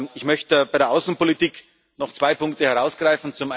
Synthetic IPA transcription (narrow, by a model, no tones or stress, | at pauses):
ɪçmœçtəbaɪɾeɐʔaʊsn̩politiːk | nɔχt͡sv̥aɪpʰʊŋk̚təhɛɐʁaʊsɡ̥ʁaɪfn̩t͡sʊmʔa